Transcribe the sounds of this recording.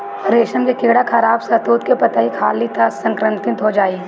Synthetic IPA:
ɾeːʃəmkekeːɽakʰɐɾaːbsɐt̪uːt̪kepɐt̪aɦikʰaːlit̪ʰasɐ̃ŋkɾənt̪ɪ̃nt̪ɦod͡ʒaːiː

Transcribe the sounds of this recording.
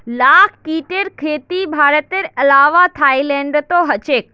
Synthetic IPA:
laːkʰkiːʈeɾkʰeːt̪ibʱaːɾət̪eɾəlaːʋat̪ʰaːilẽɳɖt̪oɦət͡ʃeːk̚

